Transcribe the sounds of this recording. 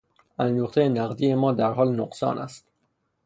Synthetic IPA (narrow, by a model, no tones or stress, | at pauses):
ænd̪oːχt̪ejenæɣd̪iːjemɒːd̪æɾɦɒːlnoqsɒ̰ːnʔæ̰st̪